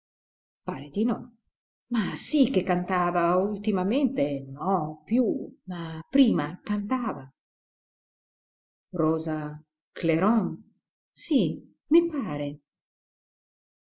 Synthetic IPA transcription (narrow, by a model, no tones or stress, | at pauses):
paːɾed̪inɔ | masikːekːant̪aːvault̪imament̪enɔpjumapɾiːmakant̪aːva | rɔːza | kleɾɔŋ | si | mipaːɾe